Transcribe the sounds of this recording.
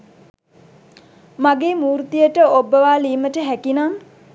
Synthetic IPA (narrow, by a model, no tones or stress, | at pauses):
maɡeːmuːɾt̪ijəʈəobəʋaːliːməʈəɦækinaŋ